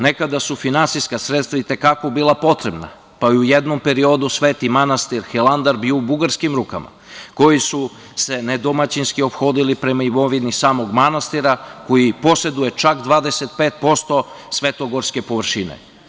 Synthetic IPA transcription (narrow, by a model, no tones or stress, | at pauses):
ne̞kad̪asufinansiskasɾet̪st̪vʋait̪e̞kako̞bilˠapo̞t̪ɾe̞bna̰ | paiujed̪no̞mpe̞ɾio̞d̪usʋeːt̪imanast̪iɾxelˠand̪aɾbioubuɡaɾskimɾuka̰ma̰ | ko̞jisu | se̞ned̪o̞mat͡ɕinskio̞pxo̞ːd̪ilipɾe̞maimo̞ʋinisaːmo̞ɡmanast̪iɾako̞jipo̞se̞d̪uje̞t͡ʃakd̪ʋaːd̪eset̪̚peːt̪̚po̞st̪o̞ | sʋe̞t̪o̞ɡoɾske̞po̞ʋr̩ʃinḛ